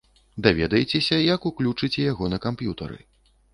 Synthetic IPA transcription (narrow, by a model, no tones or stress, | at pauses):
d̪avʲɛd̪ɐjɛt͡sʲɛsʲɐjɐkuklʲut͡ʂɨt͡sʲɛjaɣɔnɐkampjut̪ɐɾɨ̰